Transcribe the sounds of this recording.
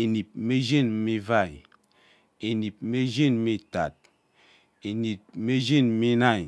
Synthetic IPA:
e˨ni˨p̚me˦ʒe˦˨n˦me˦va˦˨j | e˨ni˨p̚me˦ʒi˦˨n˦me˨ta̰˨t̚ | e˨ni˨t̚me˦ʒi˦˨n˦mi˦na˦˨j

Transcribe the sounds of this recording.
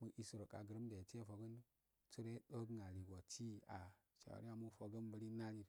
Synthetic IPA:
mu˨ʔi˨su˨ɾo˨ka̰˨ɡə˨ɾə˦mde˨t͡ʃe˦fo˨ɡə˦n | t͡su˦ɾe˦ɗo˦ɡŋa˨li˨ɡo˨t͡ʃi˦a˨ | t͡ʃa̰˨ɾi˦a˦mu˦fo˨ɡə˦nbə˨ɾi˦na˦ni˨ɾ

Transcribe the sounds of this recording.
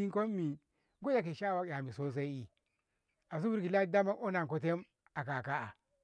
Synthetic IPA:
i˦ŋko˦mː˦i˨ | ɡo˦ja˨k̬e˨ʃa˦˨wa˨˦˨ja˨mi˨so˦s̬a˦i˦i˦ | a˨s̬u˦bu˦ɾki˨la˦da˦ma˦o˦na˨ŋko˦t̬e˦m | a˨ka˨ka˦a̰˨

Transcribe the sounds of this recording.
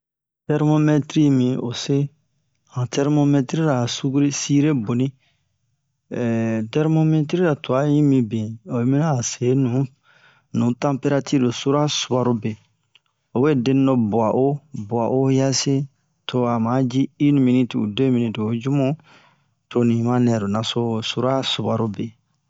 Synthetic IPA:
tɛ˦ɾmo˦me˦tɾi˦mĩ˨o̰˨se˦ | hã˨tɛ˦ɾmo˦me˦tɾi˦ɾa˨su˦ɡu˦ɾi˦si˦ɾe˦bo˨nĩ˦˨ | tɛ˦ɾmo˦me˦t̬ɾi˦ɾa˨to˨a˦jĩ˦mĩ˨bĩ˨o˨˦mĩ˦na˦˨se˨˦nũ˨˦ | nũ˨tã˦pe˦ɾa˦ti˦do˨su˦ɾa˦su˨ba˨ɾo˦be˨ | o˨be˦dẽ˦n˦dɔ˦bɔ˨a˨ʔo˦bɔ˨a˨ʔo˦ja˦se˦ | tʰo˨a˨ma˨˦d͡ʒiː˦nĩ˨mĩ˨ni˦ti˨ṵ˨dẽ˦mĩ˦nĩ˨do˨d͡ʒu˦mũ˦ | to˨nĩ˨mã˦nɛ˨ɾo˨na˨so˦su˦ɾa˦su˨ba˨ɾo˦be˨

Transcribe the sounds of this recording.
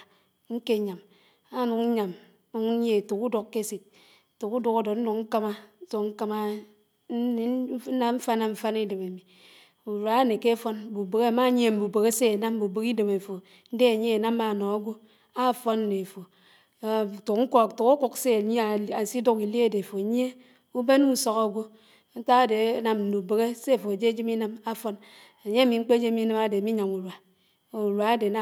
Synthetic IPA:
ŋ̩˦ke˦˨ɲa˨m | a˦nu˨k̩˦ɲa˨m˦ | u˦ŋ˦ɲe˦˨tu˨ku˦do˨kːe˦si˨t̚ | tu˨ku˦du˨ka˨do˨n̩˦u˨kŋ̩˦ka˦ma˦so˨ŋ̩˦ka˦ma˦ | na˦ɱ̩˦fa˦na˦ɱ̩˨fa˦ni˦de˨me˨mi˨ | u˨ɾa˨˦ne˨ke˦fɔ˦n˦bu˨be˨ke˦˨ma˦ɲ˦e˦˨m̩˨bu˨be˨ke˦se˦e˨na˦m˦bu˨be˨ki˦de˨me˨fo˨ | n̩˦de˦a˨ɲe˦e˨na˦ma˦˨nɔ˨a˦ɡʷo˦ | a˦˨fɔ˦n˦ne˨fo˨ | tu˨kŋ̩˦ktu˨ku˦ku˦kse˦˨˦a˨si˦du˦ki˨li˦e˦de˨fo˨˦ɲ˦e˦ | u˦be˦n˦u˦sɔ˦ka˦ɡʷo˦ | n̩˦ta˦a˨de˨˦na˦mn̩˨nu˨be˨ɣe˦se˦˨fo˨e˨d͡ʒe˦d͡ʒi˦mi˦na˦ma˦fɔ˦n | e˨ɲe˦a˦˨mi˨ŋ͡m̩˦k͡pe˦d͡ʒe˦mi˦ne˦ma˦de˨mi˦ɲa˨mu˨ɾwa˨ | u˨ɾwa˨a˦de˨na˦

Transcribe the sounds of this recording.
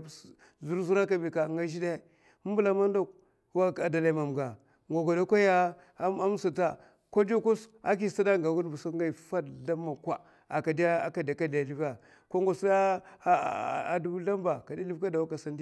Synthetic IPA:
zu˦ɾzu˦ɾa˦ka˦bi˨ka˨ŋɡa˦ʒi˦de˦˨˦ | bu˦la˦ma˦ndo˦k̚ | wa˦˨ka˨da˨la˦ma˨m˨ɡa˨ | ŋɡo˨ɡo˨da˦kʷa˦ja˦ | a˦m˦sa˨ta˦ | ko˦do˦ku˦sa˦k̬i˦˨sa˦da˦ŋɡa˨ɡu˦n˦bu˨su˦ŋɡa˦˨fa˦dda˦mːa˨kʷa˦ | a˨ka˨da˦a˨ka˨da˨ka˦da˨li˦va˨ | ko˦ŋɡo˨su˦da˦˨ | du˦bu˦ɬa˦mba˨ka˨da˦i˦vka˦da˨wa˦ka˨sa˦nd

